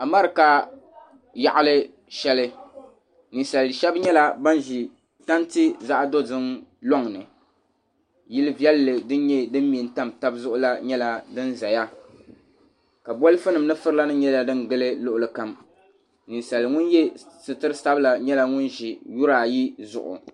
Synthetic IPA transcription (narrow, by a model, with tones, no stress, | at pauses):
a˨ma˦ɾɨ˨ka˦ | ja̰˨ʔa˦lɨ˦ | ʃɛ˦lɨ˦ | ni˨nsa˨lʃɛ˦bɲɛ˦la˦ba˦nʒi˨ | ta˦nti˦za˦ʔdo˦zɨ˦mlɔ˦ŋ˨nɨ˨ | jɪ˦lɨ˦vi˦ɛ˦lːɨ˨dɨ˦n˦ɲɛ˦dɨ˦m˦mi˨n˦ta˦mta˦bzʊ˦ʔʊ˦la˦ɲɛ˦la˦dɨ˦nza˨ja˦ | ka˨bɔ˦lɨ˦fɨ˦nɨ˨mnɨ˦fɨ˦ɾɨ˦la˦nɨ˦ɲɛ˦la˨dɨ˦nɡɨ˦lɨ˦lʊ˦ʔʊ˨lɨ˨ka˨m | ni˨nsa˨lŋʊ˦njɛ˦sɨ˨tɨ˦ɾɨ˦sa˦bla˨ɲɛ˦la˦ŋʊ˦nʒi˨ju˦ɾaː˨ji˦zʊ̰˨ʔʊ̰˨